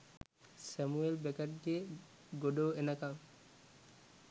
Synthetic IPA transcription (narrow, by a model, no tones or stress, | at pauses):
sɛmuelbɛkaʈ̚die | ɡoɖowenakaŋ